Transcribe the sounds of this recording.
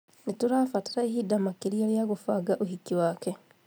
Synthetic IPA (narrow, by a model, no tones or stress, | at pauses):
nituɾaːfatiɾaiɦidamakiɾioljaɣufaɡaʔuhikiwaːke